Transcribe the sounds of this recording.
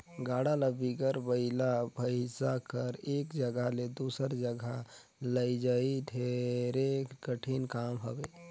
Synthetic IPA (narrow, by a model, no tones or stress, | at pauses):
ɡaːɽalabʱiɡəɾbəɪlabʱəɪsakəɾeːkd͡ʒəɡaɦled̪uːsəɾd͡ʒəɡa | ləid͡ʒaiɖʰʱeɾekəʈʰinkaːmɦəbeː